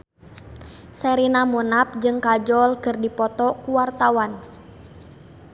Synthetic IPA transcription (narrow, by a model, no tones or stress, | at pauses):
sɛɾinamunap̚d͡ʒɨŋkad͡ʒɔlkɨrdipɔt̪ɔkuwart̪awan